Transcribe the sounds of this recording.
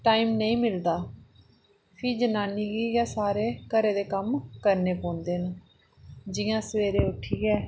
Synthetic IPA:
ʈaːiːmnəĩːmɪld̪aː | pʰiːd͡ʒənaːniːɡiːɡaːsaːɾeːkəɾeːd̪eːkəmkəɾneːpõːnd̪eːnũː | d͡ʒɪjãːsəʋeːɾeːʊʈʰːiːɡɛː

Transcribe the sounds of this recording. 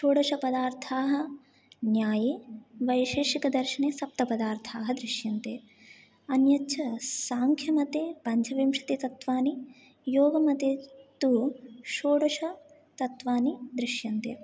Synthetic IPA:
ʃoːɽɐʂɐpɐd̪aːɾt̪ʰaːɦɐ | njaːjiʋɐjʃeːʃikɐd̪ɐɾʃɐneːsɐp̚t̪ɐpɐd̪aːɾt̪ʰaːɦɐd̪ɾɪʃjɐnt̪ḛː | ɐnjɐt͡ʃʰɐsaːŋkʰjɐmɐt̪eːpɐɲd͡ʒʰɐʋimʂɐ̥t̪et̪ɐt̪ʋaːni | joːɡɐmɐt̪eːt̪uʃoːɽɐʂɐ | t̪ɐt̪ʋaːnid̪ɾiʃjɐnt̪ḛː

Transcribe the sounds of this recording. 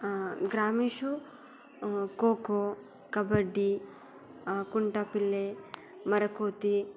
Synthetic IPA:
ɡɾaːmiːʃu | koːko | kɐbɐɖːi | kuɳʈapilːe | mɐɾɐkoːt̪i

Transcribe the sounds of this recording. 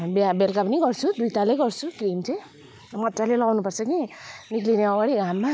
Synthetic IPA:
bjabelkapʌniɡʌrt͡sʰud̪ujt̪alejɡʌrt͡sʰukrimt͡sʌj̃ | mʌt̪t͡salelʌɡawnupʌrt͡sʰʌkiniklineʌɡaɽiɡʱamːa

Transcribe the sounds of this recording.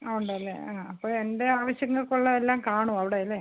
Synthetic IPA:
auɳɖɐɐlːḛaːɐpːoːɭe̞nde̞aːʋɐɕjɐŋːɐɭkoɭːɐelːaːmkaːɳuɐʋiɽeɐlːe

